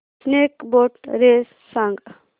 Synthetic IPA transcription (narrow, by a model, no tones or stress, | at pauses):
snekboʈɾes | sãŋɡ